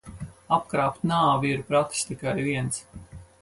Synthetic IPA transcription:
ap̚kɾaːpt̪naːviiɾpɾat̪st̪ikajviɛns

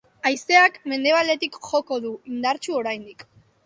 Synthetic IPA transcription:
ajse̞akme̞nd̪e̞β̞ale̞t̪ikʝo̞ko̞ðuind̪aɾt͡ʃuo̞ɾajnd̪ik

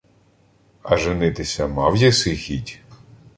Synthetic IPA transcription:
ɐ̰ʒɪnɪt̪ɪsʲɐmɑwjɐsɪxʲitʲ

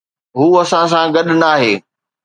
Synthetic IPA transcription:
ɦuːɐsãs̬ãɡɐɗnaːɦeː

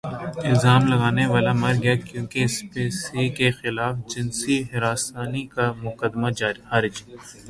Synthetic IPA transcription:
ɪlzaːmlɐɡaːneʋaːlamɐɾɡɐjakjõːkespeːsikexɪlaːfd͡ʒɪnsiɦɪɾaːsaːnikamʊkəd̪mad͡ʒaːɾiaːɾɪd͡ʒi

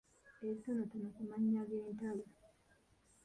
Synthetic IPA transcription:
esonotanokumaɲːaɡentalo

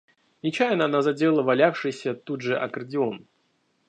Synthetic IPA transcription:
nʲɪt͡ɕajɪnəɐnazɐdʲe̞lˠəvɐlʲafʂɨjsʲət̪udʐɨʔɐ̰kərdʲɪon

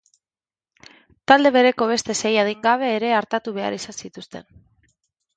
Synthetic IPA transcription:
t̪ald̪e̞βe̞ɾe̞ko̞βe̞st̪e̞se̞jað̞iŋɡaβ̞e̞ːɾe̞aɾt̪at̪uβe̞a̰ɾisansit̪ust̪e̞̰n

